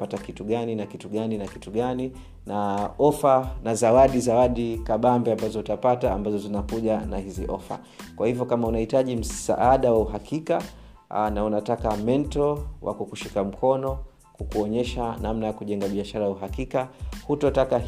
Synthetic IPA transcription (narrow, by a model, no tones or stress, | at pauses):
patakituɠaninakituɠaninakituɠani | naɔfanazawaɗizawaɗikaɓambɛambazɔutapataːmbazɔzinakuʄanahiziʔɔfa̰ | kwahivjɔkamaunahitaʄim̩sa̰ʔaɗawauɦakika | naunatakamɛntɔwʔa̰kukuʃikam̩kʰɔnɔ | kukuɔɲɛʃanamnajakuʄɛŋɡaɓiaʃaɾajauɦakikahutɔtaka